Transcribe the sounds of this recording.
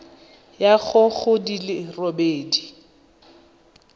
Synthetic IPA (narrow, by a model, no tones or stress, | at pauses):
jaɣʊɣʊdilɪrobeːdi